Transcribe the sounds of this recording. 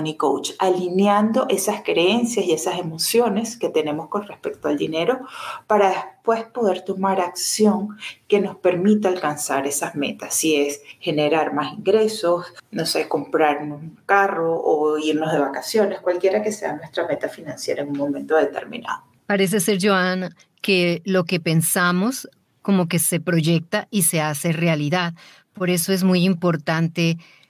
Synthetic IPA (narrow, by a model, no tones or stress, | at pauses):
niko̰wt͡ʃalinjand̪o̞ʔe̞saskɾee̞nsjasie̞sase̞mo̞sjo̞ne̞ske̞t̪e̞ne̞mo̞sko̞nre̞spe̞k̚t̪oald̪ine̞ɾo̞paɾaðespwe̞spo̞ðe̞ɾt̪o̞maɾaksjo̞ŋke̞no̞spe̞ɾmit̪aalkansaɾe̞sazme̞̰t̪asːie̞sxe̞ne̞ɾaɾmasiŋɡɾe̞so̞sno̞seko̞mpɾaɾnosuŋkaro̞ʔːiɾnozðe̞βakasjo̞ne̞skwalkje̞ɾake̞se̞anwe̞st̪ɾame̞t̪afinãnsje̞ɾaeŋuŋmo̞mẽ̞nt̪oðe̞t̪e̞̰ɾmḭna̰ðo | paɾe̞s̬ese̞ɾʝoan | ke̞lo̞ke̞pe̞nsamo̞s | ko̞mo̞ke̞se̞pɾo̞ʝe̞k̚t̪aʔise̞ase̞realiðað | po̞ɾe̞so̞e̞zmujimpo̞ɾt̪ant̪e̞